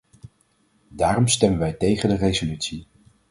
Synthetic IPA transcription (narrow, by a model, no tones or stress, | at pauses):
daːrɔmstɛmənʋɛjtejχəndərejzolytsi